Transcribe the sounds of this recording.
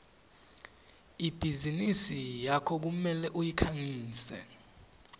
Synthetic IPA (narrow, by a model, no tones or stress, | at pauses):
ib̥ʱizinisijakʰɔk̬umɛlɛʔujikʰaŋiːsɛ̰